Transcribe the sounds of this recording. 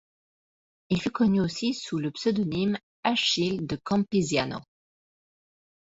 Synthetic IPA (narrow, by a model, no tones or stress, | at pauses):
ilfykɔnyosisuləpsød̪ɔnim | aʃild̪əkɑ̃pizjano̰